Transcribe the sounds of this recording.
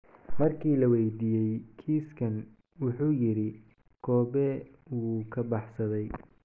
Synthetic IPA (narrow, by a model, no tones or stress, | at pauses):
mɐrkʰiːlɐwɛjd̪iːjɛjkʰiːskʰɐn | wʊħuːjɪɾɪ | kʰɔːbɛ | wuːkʰɐbɑħsɐðɛj